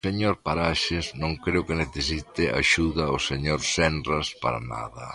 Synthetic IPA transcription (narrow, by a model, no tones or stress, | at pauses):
seɲoɾpaɾaʃɪznõŋkɾeʊkɪneθesit̪ɪʔa̰ʃuðɐʊseɲoɾsɛndraspa̰ɾa̰na̰ðɐ